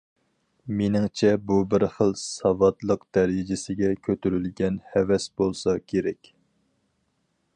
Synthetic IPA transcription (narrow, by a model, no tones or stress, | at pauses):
menɪŋt͡ʃʰɛbubɪɾχəlˠsɑvɑt̪lˠəqd̪̥ɛɾɪd͡ʒɪsɪɡʲɛkʲʰøt̪yɾylɡʲɛnhɛvɛsbolˠsɑkʲʰeɾɛkʲ